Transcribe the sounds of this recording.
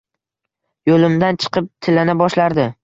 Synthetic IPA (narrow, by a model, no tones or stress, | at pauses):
jolɪmd̪ant͡ʃʰɨ̥qʰɨp̚t̪ʰɪlːanɪbɒʃlaɾd̪ɪ